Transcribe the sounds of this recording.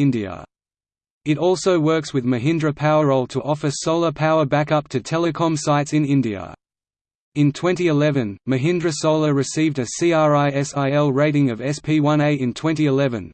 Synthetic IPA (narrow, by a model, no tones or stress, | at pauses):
ɪ̃ndiɨ̰ | ɨɾɔlˠsəʊwɜ˞kswɨðmɨɦɪ̃ndɹɨpʰaʊəɹəʊlˠtʰəʔɔfə˞soʊlˠəpʰaʊəbækʌp̚tʰɨtʰɛlˠəkʰɑ̃msaɪtsɨ̃nɪ̃ndiɨ̰ | ɨ̃ntʰw̥ɛ̃ntiɨlɛvɨ̃nmɨɦɪ̃ndɹɨsoʊlˠəɹɨsivdɨsiɑɹaɪɛsaɪɛlˠɹeɪɾɪ̃ŋʌvɛspʰiwʌ̃neɪɨ̃ntʰw̥ɛ̃ntiɨlɛvɨ̃n